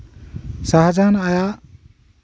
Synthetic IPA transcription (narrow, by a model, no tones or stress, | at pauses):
saɦad͡ʒanaja